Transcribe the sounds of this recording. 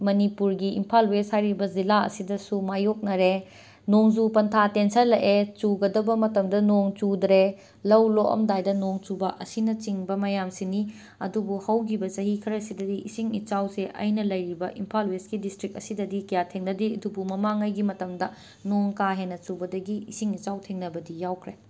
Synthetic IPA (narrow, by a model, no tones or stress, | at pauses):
mɐnipuɾɡiḭmpʰalweshajɾibɐzilaɐ̰sidɐsumajok̚nɐɾe | noŋzupɐntʰatensɐɾlɐʔet͡ʃuɡɐdɐbɐmɐtɐmdɐnoŋt͡ʃudɾe | lɐwloʔɐ̰mdajdɐnoŋt͡ʃubɐʔɐsinɐt͡ʃiŋbɐmɐjamsini | ɐdubuhɐwkʰibɐsɐɦikʰɐɾɐsidɐdiisiŋit͡ʃawseʔɐ̰jnɐlɐjɾibɐʔimpʰalwesɡidistɾik̚ɐsidɐdikɐjatʰeŋnɐdiɐdubumɐmaŋɐjɡimɐtɐmdɐ | noŋkaɦenɐt͡ʃubɐdɐɡiisiŋit͡ʃawtʰeŋnɐbɐdijawkʰɾe